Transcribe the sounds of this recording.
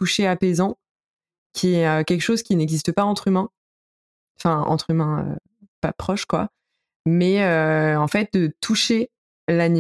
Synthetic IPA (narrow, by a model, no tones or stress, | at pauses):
t̪uʃeapezɑ̃ | kʲʰiɛøkʲɛlkʃozkʲinɛɡzist̪əpaɑ̃t̪χymɛ̃ | fɛ̃ɑ̰̃t̪χymɛ̃ø̰ | papχɔʃkwa̰ | mɛøɑ̃fɛt̪̚d̪ət̪ʰuʃe | lani